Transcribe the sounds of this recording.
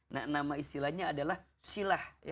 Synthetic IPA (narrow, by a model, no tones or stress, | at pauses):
na̰ʔnamaist̪ilahɲaːdalah | silahj